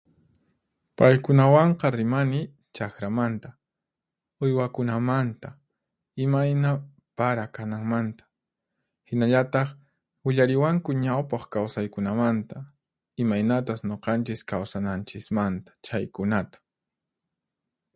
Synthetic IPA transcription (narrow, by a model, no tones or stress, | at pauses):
pajkʊnawɑɴqɑɾɪmanɪ | t͡ʃakɾamant̪ḁ | ʊjwakʊnamant̪a | ɪmajna | paɾakanaŋmant̪ḁ | hɪnaʎat̪ɑχ | ʊʎaɾɪwaŋkʊɲawpɑχkawsajkʊnamant̪a | ɪmajnat̪asɲoqɑnt͡ʃɪskawsanant͡ʃɪsmant̪ḁt͡ʃajkʊnat̪ḁ